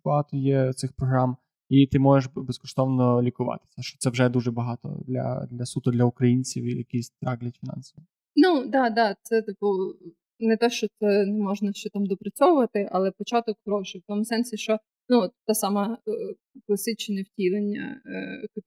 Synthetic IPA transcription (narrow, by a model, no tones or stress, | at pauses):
b̥ɐɦɑt̪ɔjɛt̪sɪxpɾɔɦɾɑm | it̪ɪmɔʒeʃbeskɔʂt̪ɔʋnɔlʲikʊʋɑ̰t̪ɪ̥sʲɐʃt͡ʃɔ̥t̪ɛʋʒɛd̪uʐɛbɐɦɑt̪ɔ̰d̪lʲɐ̰d̪lʲɐsut̪ʊd̪lʲɐʊkɾɐjinʲt͡sʲiwḭjɐkisʲt̪ɾɑɦlʲɐtʲfʲinɑ̰nsɔʋi | nud̪ɑd̪ɑt̪sɛt̪ipu | nɛt̪ɔʃt͡ʃɔt̪ɛnumɔʒnɐʃt͡ʃɛt̪ɑmd̪ɔpɾɐt͡sʲɔʋʊʋɐt̪ɪʔɐlˠɛpɔt͡ʃɑt̪ɔkxɾɔʃɪft̪ɔmʊsɛnsʲɪʃt͡ʃɔ | nut̪t̪ɑsɑmɐ | klˠɐsɪt͡ʃnʲɛwtʲilˠenʲːɐ̰k̪